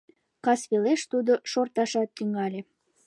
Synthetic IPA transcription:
kɑsβeleʃt̪ud̪oʃort̪ɑʃɑt̪ːyŋɑlʲe

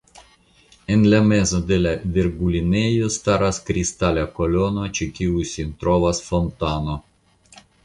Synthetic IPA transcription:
enlamezod̪elavʲiɾɡulʲinejost̪aɾaskɾist̪alʲakolonot͡ʃekʲiusʲint̪ɾovasfont̪ano

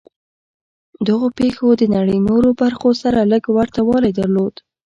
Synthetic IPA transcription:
d̪əɣopexod̪ənaɽəjnoɾobaɾxosaɾaləɡwaɾt̪awɑlajd̪aɾlod̪

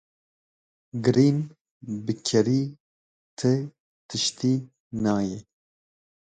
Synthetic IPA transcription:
ɡɨɾiːn | bɨkʲʰɛɾiː | t̪ʰɨ | t̪ʰɨʃt̪ʰiː | nɑːjɛ

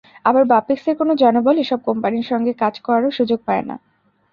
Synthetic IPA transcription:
abaɾbapikseɾkonod͡ʑɔnoboleʃɔb̚kɔmpaniɾʃɔŋɡekad͡ʑkɔɾaɾoʃud͡ʑoɡ̚paena̰

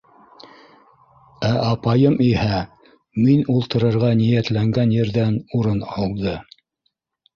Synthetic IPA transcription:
æʔɑpɑjɤmihæ | minulˠt̪ɤ̆ɾɤ̆ɾʁɑnijæt̪læŋɡænjɘ̆ɾðænuɾɤnɑlˠd̪ɤ

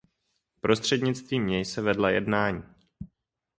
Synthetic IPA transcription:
pɾo̞st̪r̥ɛdɲɪt͡st̪viːmɲɛjsɛvɛdlajɛ̰dnaːɲiiː

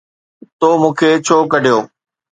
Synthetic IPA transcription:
t̪oːmũːkʰeːt͡ɕʰoːkəɖʱijoː

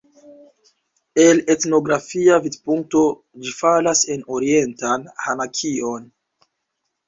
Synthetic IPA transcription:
e̞le̞tno̞ɡɾafiavidpuŋk̚to̞ | d͡ʒifalase̞no̞ɾie̞ntanhanakʰio̞n

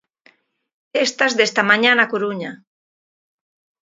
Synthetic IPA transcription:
est̪azðest̪amaɲanakuɾuɲa

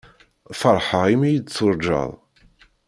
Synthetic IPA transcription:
fəɾˤħəʁimijəd̪t͡sːʊɾˤd͡ʒɑ̰ðˤ

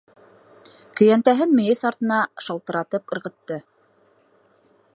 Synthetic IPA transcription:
kɵ̆jænt̪æɦɘnmɘ̆jɘsɑɾt̪ɤ̆nɑʃɑlˠt̪ɤ̆ɾɑt̪ɤpɤ̆ɾʁɤ̆t̪ːɤ

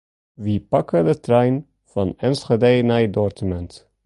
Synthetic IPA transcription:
ʋipɑkədətɾɛjn | fɑnɛnsχədejnajdɔrtəmɛnt

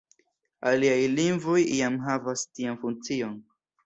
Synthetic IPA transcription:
aliajlinvojiamɦavastianfuŋt͡sion

